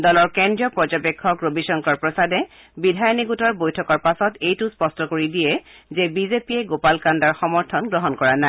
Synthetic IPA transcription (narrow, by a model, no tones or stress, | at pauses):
dɔlɔɹkɛndɹijɔpɔd͡ʒɔpekʰːɔkɹobisɔŋkɔɹpɹɔsadɛ | bidʱajɔniɡutɔɹbojtʰɔkɔɹpasɔtejtuspɔstɔkoɹidijɛzebizepiɛɡopalkandaɹxɔmɔɹtʰɔnɡɹɔɦɔnkɔɹanaɪ